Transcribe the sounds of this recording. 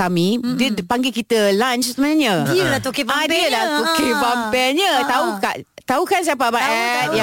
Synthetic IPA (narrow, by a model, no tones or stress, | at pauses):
amĩdədpaŋɡekit̪əlant͡ʃsəmənãɲãdilat̪ukibaadiəlaht̪ukebampɛɲət̪aukaʔt̪aukans̬iap̬abaʔɛtja